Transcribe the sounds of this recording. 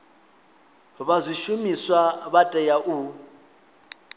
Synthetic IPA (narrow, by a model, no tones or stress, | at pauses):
βazʷiʃumiswaβatʼɛjaʔu